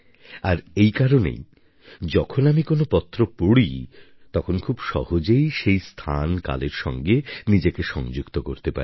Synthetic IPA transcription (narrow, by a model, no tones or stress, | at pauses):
aɾejkaɾonḛj | d͡ʑɔkʰonamikonopɔt̪ːɾopoɽi | t̪ɔkʰonkʰubʃɔ̰hod͡ʑejʃejst̪ʰa̰nka̰leɾʃɔ̰ŋɡenid͡ʑekeʃɔŋd͡ʑukt̪okoɾt̪epa̰ɾi